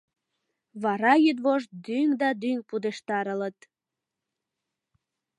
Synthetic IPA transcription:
βɑɾɑjyd̪βoʃt̪̚d̪yŋd̪ɑd̪yŋpud̪eʃt̪ɑɾələt̪

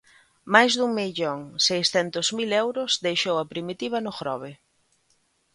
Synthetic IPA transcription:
majzðuŋmiʎoŋsejsθɛnt̪ʊzmilɛwɾʊzd̪ejʃowɐpɾimit̪iβ̞ɐnʊxɾɔ̰βɪ

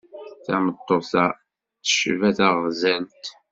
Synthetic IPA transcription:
θæmət̪ˤːoθɑ | θə̥ʃvæθæʁzɛlt̪

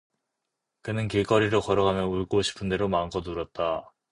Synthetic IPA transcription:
kɯnɯnkek͈ʌɾiɾokʌɾʌɡanɯnuɭɡoɕʰi̥pʰɯnde̞ɾomaŋɡʌnuɾʌt̚t͈a

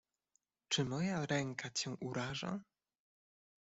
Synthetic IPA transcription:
t͡ʂɘmɔjaɾɛŋkat͡ɕɛ̃ʔuɾaʐa̰

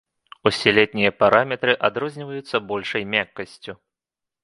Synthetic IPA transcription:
usʲɛlʲɛt̪̚ʲnʲijɐpaɾʔamʲɛt̪ɾɨʔad̪ɾɔzʲnʲivɐjut̪sːɐbɔlʲʂɐjmʲakːɐsʲt͡sʲu

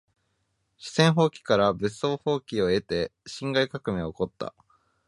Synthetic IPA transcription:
ɕi̥sẽ̞ɰ̃ɦo̞ːkʲi̥kaɾabɯ̟so̞ːho̞ːkʲio̞e̞t̪e̞ɕĩŋɡaikakɯ̟mẽoko̞t̪ːa̰

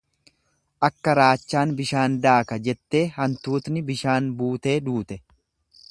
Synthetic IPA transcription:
ʔɐkːɐɾaːt͡ʃːaːnbɪʃaːnd̪aːkɐd͡ʒɛt̪ːe̞ːhɐnt̪uːt̪nɪbɪʃaːnbuːt̪e̞ːd̪uːt̪ɛ

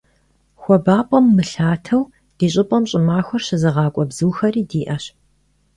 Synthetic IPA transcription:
xʷɔbaːpʷʼɔmːɨɬaːtʰɐw | d̥iːɕʼɪpʼɐmɕʼɪmaːxʷɔrɕɪzɨʁɑːkʷʼɔbzɨːxɐriːdiːʔɐɕ

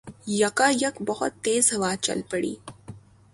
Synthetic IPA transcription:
jɐkajɐkbɐɦʊ̰t̪ːeːzɦɐʋaːt͡ʃɐ̰lpɐɽḭː

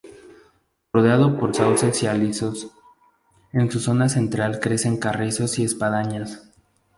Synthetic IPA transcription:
roðeaðo̞po̞ɾsawsesialiso̞s | e̞nsuso̞nase̞nt̪ɾalkɾe̞se̞ŋkareso̞sie̞spaðaɲas

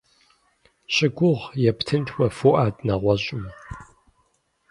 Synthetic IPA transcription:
ɕʼɪɡʷʊʁjɛptʰɨntʰwɐfoʔaːdnɐʁʷɔɕʼɪm

